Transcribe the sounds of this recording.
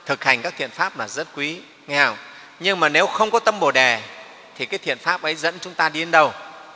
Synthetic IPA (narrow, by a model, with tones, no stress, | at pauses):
t̪ʰɨ˨˩k̚ha˨˩jŋkaː˦˥k̚t̪ʰḭ˧˨ənfaː˦˥p̚laː˨˩zə˦˥t̚kwi˨˦ | ŋɛ˧ha˧˩w | ɲɨ˧ŋmaː˨˩ne˨˦wxə˧wŋ͡mkɔ˨˦t̪ə˧mɓo˨˩ɗɛ˨˩ | t̪ʰi˨˩kaː˨˦jt̪ʰḭ˧˨ənfaː˦˥p̚ʔə˨˦jzə̰˧˥nt͡ɕʊ˨˦ŋ͡mt̪aː˧ɗi˧ɗe˨˦nɗə˧w